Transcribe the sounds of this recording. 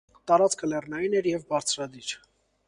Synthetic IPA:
t̪ɑɾɑt͡skʰəlɛrnɑjinɛɾjɛvbɑɾt͡sʰɾɑd̪iɾ

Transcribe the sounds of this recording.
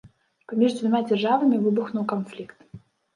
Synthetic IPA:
pamʲiʐd̪ʲvʲamʲad͡zʲarʐavɐmʲivɨbuxnuwkanflʲikt̪

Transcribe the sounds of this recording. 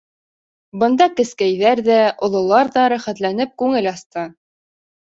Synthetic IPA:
bɤ̆nd̪ɑkɘ̆skæjðæɾðæʔŏlˠŏlˠɑɾðɑɾæχæt̪lænɘp̚kʉŋɘlɑst̪ɤ

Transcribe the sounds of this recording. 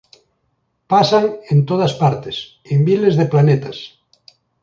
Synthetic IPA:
pasaŋent̪oð̞aspaɾt̪es | embilezðeplanet̪as

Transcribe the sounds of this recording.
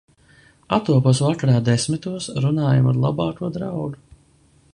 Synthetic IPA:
at̪uɔpoɔsvakaɾaːd̪esmit̪uɔsɾunaːjama̰ɾlˠabɑːkuɔd̪ɾawɡu

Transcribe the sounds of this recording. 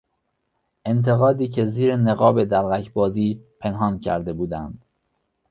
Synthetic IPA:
ʔe̞nt̪ʰe̞ɣɒːd̪iːcʰe̞ziːɾene̞ɣɒːbe̞d̪æɾɣæcʰbɒːziːpʰe̞nɦɒːncʰæ̰ɾd̪e̞buːd̪ænd̪̥

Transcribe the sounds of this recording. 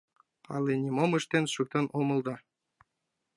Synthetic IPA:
ɑ̰lenʲimomɨʃt̪enʃuk̚t̪ɤnʔomɤ̆lˠd̪ɤ

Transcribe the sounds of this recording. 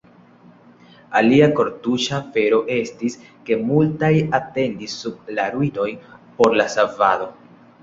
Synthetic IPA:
aliako̞ɾtuʃafe̞ɾo̞ʔe̞stis | ke̞multajate̞ndisːub̚laɾuino̞jpo̞ɾlasava̰do̞

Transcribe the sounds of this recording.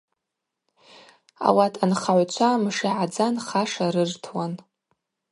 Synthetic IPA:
a̰watʰʼanχaʕʷt͡ʃʷʰamʂiʕad͡zanχaʂaɾɨrtʰwan

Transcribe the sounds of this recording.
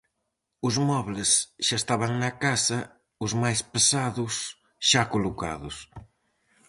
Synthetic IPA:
ʊzmɔβlesʃaest̪aβaŋnɐkasɐ | ʊzmajspesaðʊs | ʃakoloka̰ðʊs

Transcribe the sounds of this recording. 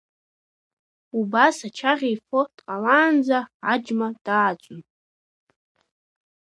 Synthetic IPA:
ubasat͡ʃʰaʁʲejfod̥qʼalaːnd͡zaʕad͡ʒmad̥aːt͡ʃʷʼʊn

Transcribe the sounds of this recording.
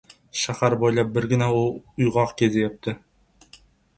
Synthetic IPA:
ʃahaɾbojlˠɑp̚bɪɾɡʲɪnaʊʊjʁɑqkʲʰezejap̚t̪ʰɪ

